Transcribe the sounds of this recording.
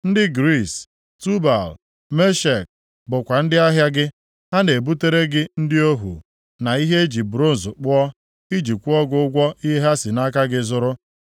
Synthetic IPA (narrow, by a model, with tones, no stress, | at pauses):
n̩˦dɪ˦ɡɾi˦˨s | tu˦ba˨l | me˦ʃe˨k̚ | bʊ˨kʷa˨n̩˦dɪ˦a˦ɦja˦ɡɪ˦ | ha˦ne˨bu˦te˦ɾe˦ɡɪ˦n̩˦dɪ˦o˦ɦṵ˨ | na˨i˦ɦe˦d͡ʒi˨bu˨ɾo˦˨n̩˨zʊ˨k͡pʊ˦ɔ˦ | i˦d͡ʒi˨kʷu˦ɔ˦ɡʊ˦ʊ˦ɡʷɔ˦i˦ɦa˦sɪ˨na˦ka˦ɡɪ˦zʊ˦ɾʊ˦